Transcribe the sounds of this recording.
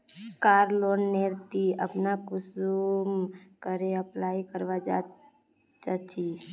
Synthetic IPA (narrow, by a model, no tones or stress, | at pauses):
kaɾlonːeɾt̪iə̰pnakʊsumkəɾeəplaikəɾʋad͡ʒa | t͡ʃat͡ʃʰi